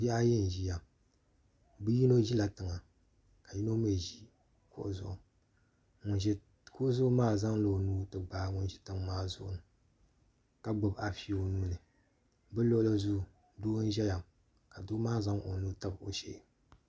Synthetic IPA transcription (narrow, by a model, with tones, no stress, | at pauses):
bi˦a˦jɛ˦n˨ʒi˦ja˨ | bɨ˦ji˦no˦ʒi˦la˨tɨ˨ŋa˨ | ka˨ji˦no˦m˦e˦˨ʒi˦ | kʊ̰˦ʔʊ˦zʊ˦˨ʔʊ˨ | ŋʊ˨n˨ɛ˦ | kʊ˦ʔʊ˦zʊ˦ʊ˦maː˦˨za˦ŋlo˨nuː˦tɨ˨ɡ͡baː˨˦ŋʊ˨nʒɛ˦tɨ˦ŋmaː˦zʊ̰˦ʔʊ̰˨nɨ˨ | ka˦ɡ͡bo˨ba˨fi˦o˦nuː˦nɨ˨ | bɨ˦lo˦ʔʊ˦lɨ˦zu˦˨ | doː˦n˦ʒɛ˦ja˨m | ka˨dʊ˦maː˦za˦ŋʔo˨nu˦ta˦bo˨ʃḛ˦ʔ